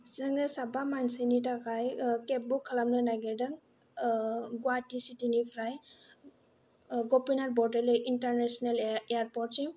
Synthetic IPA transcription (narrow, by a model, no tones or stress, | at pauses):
sɯŋɯsabamansɯnitakajkep̚bukʰːalamnɯnaɡeɾdɯŋ | ɡuwatisitinipʰɾaj | ɡɔpinat̚bɔdelejintaɾnesɔnelejaɾpɔɾtsiŋ